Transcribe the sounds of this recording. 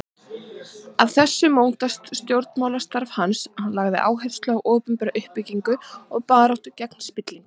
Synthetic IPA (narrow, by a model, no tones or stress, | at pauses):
avθɛsːʏmownt̪ast̪st̪jowɾt̪mawlḁst̪aɾv̥hanshanlaɣðɪ̰ʔa̰ːwɦejfst̪lœːɣʔɔːpʏmpɛɾaʔʏhpːɪciŋkʏɔɣpaːɾawht̪ʏcɛkn̥spɪt̪liŋk